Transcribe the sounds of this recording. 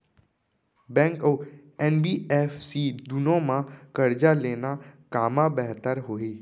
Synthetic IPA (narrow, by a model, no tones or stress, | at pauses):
bɛ̃ːŋkɔː | ɛnbiːeːfsiːd̪ʊnõmãkɐɾd͡ʒaleːnakaːmabɛɦt̪əɾɦoːeː